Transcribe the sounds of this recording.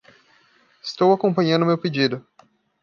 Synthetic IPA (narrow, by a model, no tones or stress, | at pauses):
ɪst̪owakõpɐ̃ɲɐ̃ʊmewped͡ʒid̪ʊ